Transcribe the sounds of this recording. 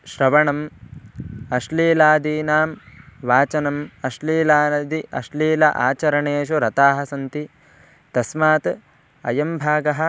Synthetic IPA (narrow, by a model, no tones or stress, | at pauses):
ʃɾɐʋɐɳɐm | ɐʃliːlaːd̪iːnaːmʋaːt͡ʃɐnɐmɐʃliːlaːd̪iɐ̰ʃliːlɐ̰ʔa̰ːt͡ʃɐɾɐɳeːʃ̬uɾɐt̪aːɦɐ̆sɐnt̪i | t̪ɐsmaːt̪ | ɐ̰jɐmbʱaːɡɐɦɐ̆